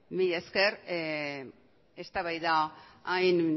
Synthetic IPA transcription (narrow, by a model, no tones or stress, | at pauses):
miʎeskeɾ | est̪aβajðaajn